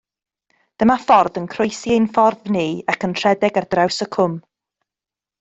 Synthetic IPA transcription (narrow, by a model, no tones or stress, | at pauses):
d̥əmafɔrðənkʰrojsiejnfɔrðniːakʰəntʰr̥ɛdɛɡard̥rawsəkʰʊm